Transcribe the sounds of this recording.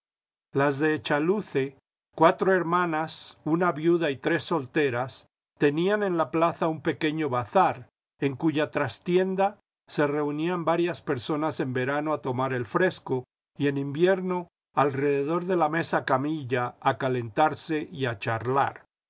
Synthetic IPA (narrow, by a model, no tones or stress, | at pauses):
lazðe̞ːt͡ʃaluθe̞ | kwat̪ɾoe̞ɾmãnasunaβjuðait̪ɾe̞sːo̞lt̪e̞ɾas | t̪e̞niane̞nlaplaθaumpe̞ke̞ɲo̞βaθaɾ | e̞ŋkuʝat̪ɾast̪je̞nd̪a | se̞re̞uniambaɾjaspe̞ɾso̞nase̞mbe̞ɾanoat̪o̞maɾe̞lfɾe̞sko | ie̞nimbje̞ɾno̞ | alre̞ðe̞ð̞o̞ɾðe̞lame̞sakamiʝaːkale̞nt̪aɾse̞ʔiat͡ʃaɾla̰ɾ